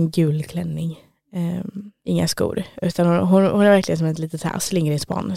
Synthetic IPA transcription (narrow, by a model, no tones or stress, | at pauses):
nɡʉ̟ːlkʰlɛnːɪŋ | ɪŋːaskṵːɾʉ̟ːt̪anhʊɦʊnhʊnæɾvæɾklɪɡənsɔmɛt̪liːt̪ət̪ʰha̰ːslɪŋːəɾɪspɑ̰ːnː